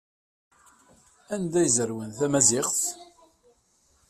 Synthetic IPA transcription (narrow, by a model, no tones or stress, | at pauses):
ænd̪æjzəɾwənθæmæzɪχθ